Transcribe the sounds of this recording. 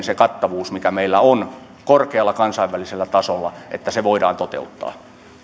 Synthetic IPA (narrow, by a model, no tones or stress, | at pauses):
nsekɑt̪ːɑʋuːsmikæmeilːæon | korkeɑlːɑkɑnsɑiʋːæliselːæt̪ɑsolːɑʔḛt̪ːæseʋoidɑ̰ːnt̪ot̪ḛut̪ːɑ̰ː